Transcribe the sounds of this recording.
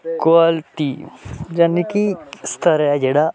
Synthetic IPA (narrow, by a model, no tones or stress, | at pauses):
koalt̪id͡ʒɐnːikist̪ʰəɾad͡ʒeːɽa